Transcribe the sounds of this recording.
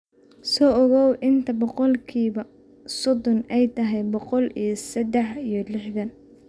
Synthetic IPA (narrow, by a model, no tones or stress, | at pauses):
sɔːʔɔɣɔwʔɪnt̪ʰɐbɔqɔlkʰiːβɐ | sɔd̪ɔnʔɛjt̪ʰɐɦɛjbɔqɔlijɞsɐd̪ɛħijɞlɪħðɐn